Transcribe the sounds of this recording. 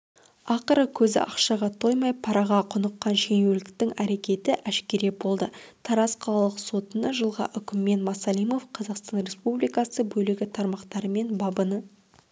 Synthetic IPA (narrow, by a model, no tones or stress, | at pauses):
ɑqəɾəkʲʰɵzɪ̰ʔɑqʃɑʁɑt̪ʰo̞jmɑjpʰɑɾɑʁɑqʰʊnəqːɑnʃe̞ŋelɪk̚t̪ɪŋæɾe̞kʲe̞t̪ɪʔæʃkʲe̞ɾe̞bo̞lˠd̪ət̪ʰɑɾɑsqʰɑlˠɑlˠəqso̞t̪ənəʒəlˠʁɑ̰ʔʏkʲɪmːe̞nmɑsɑlˠijmo̞fqʰɑzɑqst̪ɑnɾe̞spublijkɑsəbɵlɪɡʲɪt̪ʰɑɾmɑqt̪ɑɾəme̞nbɑbənə